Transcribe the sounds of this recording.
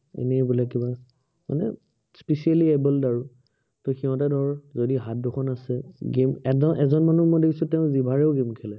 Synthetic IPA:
ɛ̰nɛbulɛkiba | ma̰nɛ̰ | spisialiɛbəldaɹu | tɔxiɦɔ̃tadʱɔɹzodiɦat̚dokʰɔnasɛɡemɛɔʔɛzɔnmanumɔjdekʰisʊ̃tɛʊ̃zibʱaɹɛʊɡemkʰɛlɛ

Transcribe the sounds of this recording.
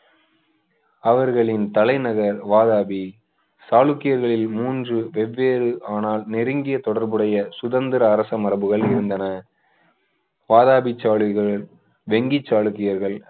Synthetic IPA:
ɐʋɐɾɣɐɭɪnt̪ɐlɐɪnɐɣɐɾʋaːðaːbi | saːɭɯkːɪjɐɾɣɐɭɪlmuːndrɯʋɛʋːeːɾɯʔaːnaːlnɪɾɯŋɡɪjɐt̪ɔɽɐɾbɯɽɐjɐsʊðɐnd̪ɪɾɐːɾɐsɐmɐɾɐbɯɣɐɭɪɾɯnd̪ɐnɐ | ʋaːðaːbɪt͡ʃːaːɭɯɣɐɭ | ʋɛŋɡɪt͡ʃːaːɭɯkːɪjɐɾɣɐɭ

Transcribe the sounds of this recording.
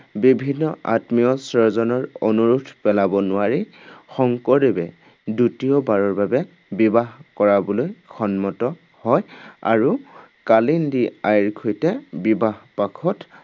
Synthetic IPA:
bibʱinːɔʔa̰tmijɔsɔɹzɔnɔɹo̰nuɹutʰpɛlabɔnʊaɹi | xɔŋkɔɹebɛ | dutiɔbaɹɔɹbabɛ | bibaɦkɔɹabɔlojkʰɔnmɔtɔ | hɔja̰ɹu | kalindiajɹkʰojtɛbibaɦpakʰɔt

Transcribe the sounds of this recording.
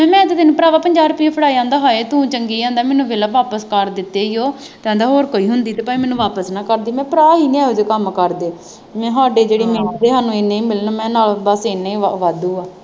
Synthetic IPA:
ɛ̃ːmɛ̃ːɪt̪ːd̪ɪnpəɾaːʋaːpəɲd͡ʒaːɾpiːpʰəɽaːiãːnd̪aːɦoːeːt̪ũːt͡ʃəŋɡiːãːnd̪aːmɛːnũːʋeːlaʋaːpəskəɾd̪ɪt̪ːeːijoː | t̪ɛ̃ːnd̪aːɦoːɾkoːiːɦʊnd̪iːt̪eːpaːiːmɛːnũːʋaːpəsnãːkəɾd̪iːmɛ̃ːpəɾaːiːnĩaːʊːd͡ʒkəmkəɾd̪eː | mɛ̃ːɦaːɖeːd͡ʒeːɽeːmeːnãd̪eːɦaːnũːenẽĩːmɪlnːmɛ̃ːnaːlbəseneĩːʋaːd̪ũːaː

